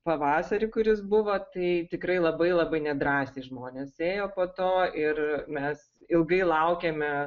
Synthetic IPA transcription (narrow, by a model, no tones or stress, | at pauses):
pɐʋɑːsɐɾʲɪkʊɾʲɪsbʊʋoːt̪ɐɪt̪ʲɪkɾɐɪlˠɐbɐɪlˠɐbɐɪnʲɛd̪ɾɑːsʲeʒmoːnʲeːseːjoːpoːt̪oːɪrmʲɛs | ɪlˠɡɐɪlˠɐʊkʲeːmʲɛ